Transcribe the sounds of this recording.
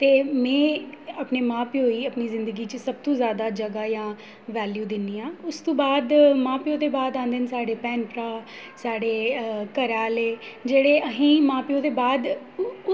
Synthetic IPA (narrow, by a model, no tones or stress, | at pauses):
t̪eːmɛ̃ːəpneːmãːpioːiːəpniːzɪ̃nd̪əɡiːt͡ʃəsəb̚t̪õːzjaːd̪aːd͡ʒəɡaːjãː | ʋɛːljuːd̪ɪnːiːãːʊst̪õːbaːd̪mãːpioːd̪eːbaːd̪ãːnd̪ɪnsaːɖeːpɛːnpɾaː | saːɖeːkəɾaːleːd͡ʒeːɽeːʔəɦĩːmãːpioːd̪eːbaːd̪